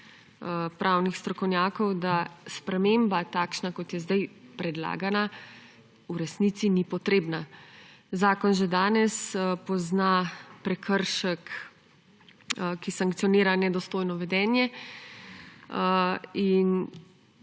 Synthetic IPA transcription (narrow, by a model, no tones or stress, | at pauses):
pɾʔawnixst̪ɾɔkɔwnjaːkɔwd̪aspɾɛmeːmbat̪aːkʃnakɔt̪jɛzd̪ajpɾɛd̪la̰ːɡana | uɾɛsnit̪sinipɔt̪ɾeːbna | zaːkɔnʒɛd̪aːnɛspɔznapɾɛkʰəɾʃək | kisaŋkt̪siɔniːɾanɛd̪ɔst̪oːjnɔʋɛd̪ɛːnjɛ | in